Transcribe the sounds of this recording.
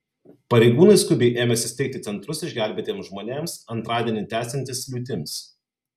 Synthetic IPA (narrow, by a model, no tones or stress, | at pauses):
pɐɾʲɛɪɡuːnɐɪskʊbʲeɪʔeːmʲɛsʲɪst̪ʲɛɪk̚t̪ʲɪt̪sʲɛnt̪ɾʊsɪʒʲɡʲæˑlʲbʲeːt̪ʲeːmsʒmoːnʲeːmsɐnt̪ɾɑːd̪ʲiɛnʲɪt̪ʲæːsʲɛnʲt̪ʲɪslʲuːt̪ʲɪmʲs